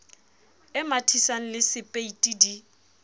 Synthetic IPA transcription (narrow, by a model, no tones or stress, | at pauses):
ɪmatʰisaŋ̩lɪsɪpʼeitʼidi